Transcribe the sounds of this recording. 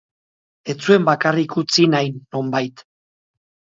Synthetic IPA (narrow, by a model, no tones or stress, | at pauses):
e̞t͡sue̞mbakarikut͡sinajnːo̞mbajt̪